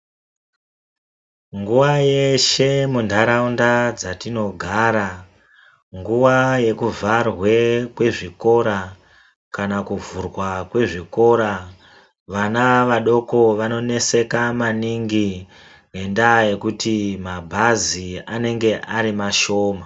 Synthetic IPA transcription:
ŋɡuwaje̞ʃe̞mundʱaɾaundad͡zatino̞ɡʱaːɾa | ŋɡuwaje̞kuvarwe̞kwe̞ʐiko̞ɾa | kanakuvurwakwe̞ʐiko̞ɾa | ʋanaʋaɗo̞ko̞ʋano̞ne̞se̞kamaniŋɡi | ne̞ndaje̞kutimabʱaziane̞ŋɡe̞ʔaɾimaʃo̞ːma

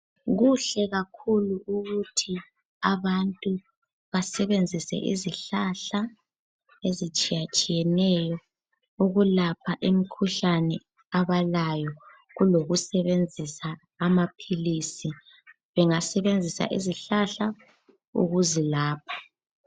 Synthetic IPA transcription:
ɣuɬɛɣakʰuluuɣutʰi | aβantʼu | βasɛβend͡zʱisɛ̰ʔḭziɬaɬa | ezit͡ʃʼijat͡ʃʼijɛnɛjɔ | uɣulapʰaʔimikʰuɬanɛ | aβalajɔ | ɣuloɣusɛβend͡zʱisaː | mapʰilisi | βɛŋasɛβend͡zʱisa̰ʔḭziɬaɬa | ṵɣuzilaːpʰḁ

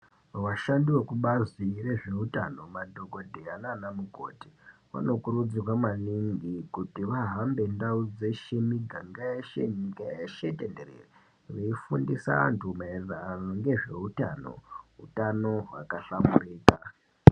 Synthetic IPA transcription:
waʃandiwe̞kuɓazire̞ʐe̞utano̞madʱo̞ko̞dʱeananamuko̰ːti̥wa̰no̞kuɾud͡ziwamaniŋɡikutiʋaɦambe̞ndaud͡ze̞ʃemiɡʱaŋɡajeʃeɲɡajjeʃetenderḛre | ʋeifundisa̰a̰ntʰumaeranoŋɡe̞ʐe̞uta̰no̞̰ɦutano̞wa̰kaɬamuriːka

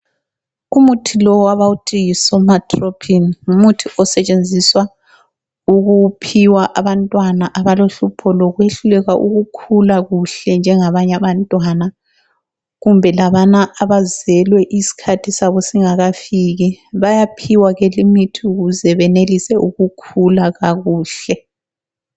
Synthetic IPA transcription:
umutʰilɔaβautʰʼiisɔmatʰʼropʰinumutʰiʔɔsɛt͡ʃʼend͡zʱiswa | uɣupʰiwaʔaβantʼwanaʔaβaloɬupʰɔlɔɣweɬulɛɣaʔuɣukʰulaɣuɬɛnd͡ʒʱɛŋaβaɲaβantʼwana | ɣumbʱɛlaβanaʔaβazɛlwɛʔisi̥kʰatʰisaβɔsiŋaɣafiɣiβajapʰiwaɣelimitʰiuɣuzɛβɛnelisɛʔuɣukʰulaɣaɣuːɬɛ

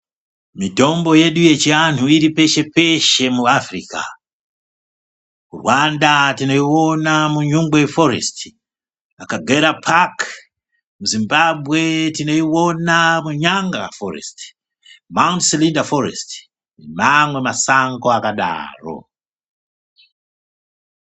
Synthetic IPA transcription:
mito̞mbo̞je̞ɗuje̞t͡ʃiantuiɾipe̞ʃe̞pe̞ʃe̞muafrika̰ | kṵrwandatino̞iwo̞namuɲuŋɡweforḛsti̥ | akaɡʱeɾapʰak | muzimbabʱwe̞tino̞iwo̞namuɲaŋɡa̰forḛst | mawntsilindafoɾḛst | nemamwe̞masaŋɡoakaɗa̰ːro̞̰

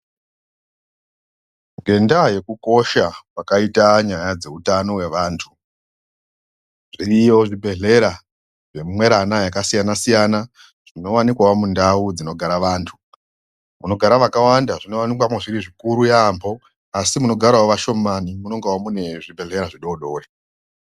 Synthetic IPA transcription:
ŋɡʱe̞ndaje̞kuko̞ʃawakaitaɲajad͡ze̞utano̞we̞ʋaːntʰu | ʐiijo̞ʐibʱe̞ɮe̞ɾa | ʐe̞mmwe̞ɾanajakasijanasijana | ʐ̥ino̞wanikwawamundaud͡zino̞ɡʱaɾaʋaːntʰu | muno̞ɡʱaɾaʋakawandaʐino̞wanikwamweʐiɾiʐikuɾujambo̞ | asimuno̞ɡʱaɾawoʋaʃo̞manimuno̞ŋɡewamune̞ʐibʱe̞ɮe̞ɾaʐiɗo̞ɗo̞ːre

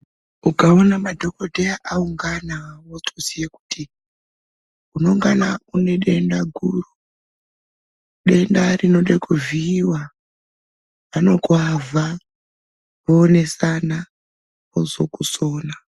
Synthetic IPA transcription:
ukaonamadʱo̞ko̞dʱeaʔauŋɡanawotusijeku̥tʰi | uno̞ŋɡanaune̞ɗe̞ndaɡʱuru | ɗe̞ndarino̞ɗekuviːwa | ano̞kwavʱa | βoːne̞sana | ozokuso̞ːna

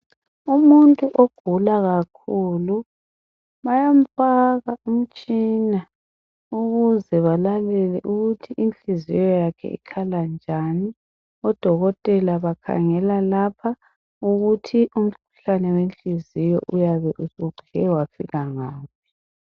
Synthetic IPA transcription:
umuntʼuʔoɡ̥ʱulaɣakʰulu | βajam̩faɣaum̩t͡ʃʼiːna | uɣuzɛβalalɛlɛ̰ʔuɣutʰiʔint͡ɬʼizijɔjakʰɛ̰ʔḭkʰaland͡ʒʱani | ɔd̥ʱɔɣɔtʼɛlaβakʰa̰ŋɛlalapʰa | uɣutʰiʔum̩kʰu̥ɬanɛwent͡ɬʼizijɔ̰ʔujaβɛʔusuɡ͡ǀʱiɛwafiɣaŋaːpʰi̥

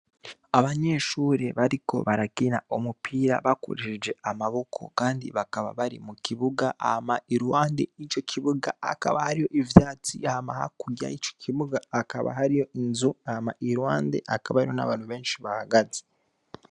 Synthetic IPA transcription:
aβaɲe̞ːʃuːɾe̞βaɾiko̞̰βaɾakinaomupʰiːɾa̰βakṵɾeʃed͡ʒe̞amaβo̞kʰo̞̰kaːndḭβakaβa̰βaɾḭmukʰiβuɡaʔa̰hamaiɾwaːnde̞it͡ʃo̞cʰiβuɡaːka̰βahaɾijo̞ʔivjaːt͡siahamaha̰kuɟa̰it͡ʃo̥kʰiβuɡaːka̰βa̰ɦaɾijo̞ʔinzuahamaʔiɾwaːnde̞̰ʔakaβahaɾijo̞na̰βaːn̥huβe̞ːnʃiβahaɡaze̥

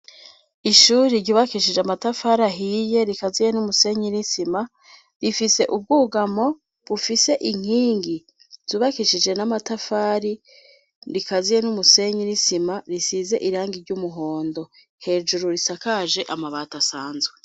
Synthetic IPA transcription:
iʃuːɾiɾɟuːβakiʃid͡ʒeamatafaːɾaɦije̞ɾikazijenumuse̞ɲinisima | ɾifise̞ʔub̚ɡuːɡamo̞ | βufise̞ʔiŋ̥iːŋɡi | z̥uːβakiʃid͡ʒe̞namatafaːɾi | ɾikazijenumuse̞ɲinisimaɾisize̞ʔiɾaːŋɡiɾɟumuɦo̞ːndo̞ | he̞ːd͡ʒuɾuɾisakaʒe̞ʔamaβaːtasaːnzɡwe

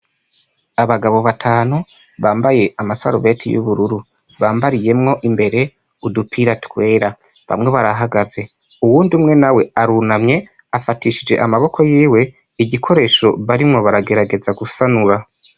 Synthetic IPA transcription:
aβaɡaβo̞βatʰaːnu | βaːmbaje̞amasa̰ɾṵβe̞tʰḭjṵβuɾuɾu | βaːmbaɾije̞mŋo̞ʔimbe̞ɾe̞ | udupʰiɾatwe̞ːɾa | βa̰mŋe̞βaɾaɦaɡaze̞ | uwuːndiumŋe̞nawe̞aɾunamɲe̞ | afatiʃid͡ʒe̞̰ʔamaβo̞kʰo̞jiːwe̞ | iɟikʰo̞ɾe̞ːʃo̞βaɾimŋo̞βaɾaɡe̞ɾaɡe̞zaɡusanuɾa

